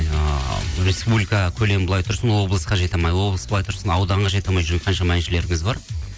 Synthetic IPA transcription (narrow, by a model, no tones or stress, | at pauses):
ɾe̞spublijkɑkʲʰɵle̞mbolˠɑjt̪ʰʊɾsənwo̞blˠəsqɑʒe̞t̪ɑmɑjwo̞blˠəsb̥olˠɑjt̪ʰʊɾsənɑwd̪ɑɴʁɑʒe̞t̪ɑmɑjʒʊɾŋqʰɑnʃɑmænʃɪle̞ɾɪŋɪzbɑɾ